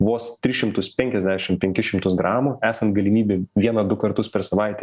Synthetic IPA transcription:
ʋoːst̪ʲɾʲɪʃʲɪmt̪ʊspʲɛŋʲkʲɛzʲd̪ʲæːʃʲɪmpʲɛŋʲkʲɪʃʲɪmt̪ʊsɡɾɑːmʊæːsɐnt̪̚ɡɐlʲɪmʲiːbʲeːʋʲiɛnɐd̪ʊkɐrt̪ʊspʲɛɾsɐʋɐɪt̪ʲɛ

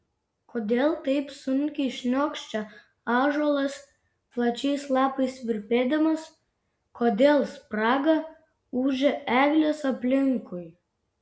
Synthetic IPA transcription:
koːd̪ʲeːlˠt̪ɐɪpsʊŋʲkʲɪʃʲnʲoːkʃʲt͡ʃʲɛ | ɑːʒoɔlˠɐs | plˠɐt͡ʃʲɛɪslˠɑːpɐɪsʋʲɪɾʲpʲeːd̪ɐmɐs | kʰoːd̪ʲeːlˠspɾɑːɡɐ | uːʒʲɛʔæːɡlʲesɐpʲlʲɪŋkʊj

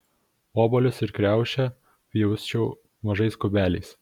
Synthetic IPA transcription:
oːbɔlʲʊsɪɾkɾʲæˑʊʃʲɛ | pʲjɛʊsʲt͡ʃʲɛʊ | mɐʒɐɪskʊbʲæːlʲɛɪs

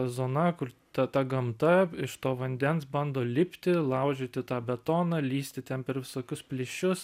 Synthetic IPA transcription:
zoːnɐkʊrt̪ɐt̪ɐɡɐmt̪ɐɪʃt̪oːʋɐnʲd̪ʲɛnsbɐnd̪oːlʲɪpʲt̪ʲɪlˠɐʊʒʲeːt̪ʲɪt̪ɑːbʲɛt̪oːnɑlʲiːsʲt̪ʲɪt̪ʲɛnpʲɛɾʋʲɪsoːkʲʊspʲlʲɪʃʲʊs

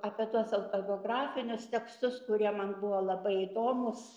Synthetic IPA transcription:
ɑːpʲiɛt̪uɔsɐʊt̪obʲoːɡrɑːfʲɪnʲʊst̪ʲɛkst̪ʊskʊɾʲiɛmɐnbʊʋolˠɐbɐɪid̪oːmʊs

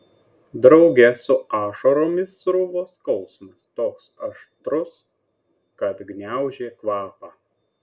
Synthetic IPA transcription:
d̪ɾɒʊɡʲɛsʊɑːʃoɾoːmʲɪsːɾʊʋoːskɒʊsmɐst̪oːksɐʃt̪ɾʊs | kɐt̪ɡnʲæˑʊʒʲeːkʋɑːpɑː

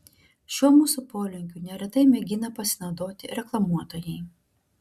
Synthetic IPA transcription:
ʃʲuɔmuːsupoːlʲʊŋʲkʲuːnʲɛɾʲɛt̪ɐɪmʲɛɡʲɪnɐpɐsʲɪnɒʊd̪oːt̪ʲɪ̰ɾʲɛklˠɐmuɔt̪oːjɛɪ

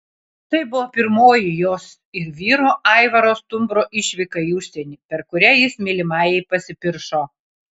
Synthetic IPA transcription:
t̪ɐɪbʊʋoːpʲɪɾmoːjɪjoːs | ɪɾʋʲiːɾoːʔɐɪʋɐɾoːst̪ʊmbɾoːʔɪʃʲʋʲɪkɐʊʃʲsʲɛnʲiːpʲɛɾkʊɾʲɛjɪsmʲelʲɪmɑːjɛɪpɐsʲɪpʲɪɾʃoː

